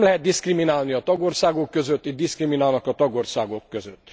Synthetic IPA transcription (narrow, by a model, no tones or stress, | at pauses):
mlɛɦɛd̪d̪iskriminaːlniɒt̪ɒɡorsaːɡokːøzøt̪ːid̪̚d̪iskriminaːlnɒkɒt̪ɒɡorsaːɡo̞kːøzøt̪ː